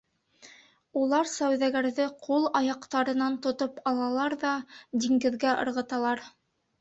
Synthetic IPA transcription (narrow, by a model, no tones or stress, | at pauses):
ulˠɑɾsæwðæɡæɾðɘqʰulˠɑjɑqt̪ɑɾɤ̆nɑnt̪ŏt̪opɑlˠɑlˠɑɾðɑd̪ʲiŋɡɘ̆ðɡæʔɤ̰̆ɾʁɤ̆t̪ɑlˠɑɾ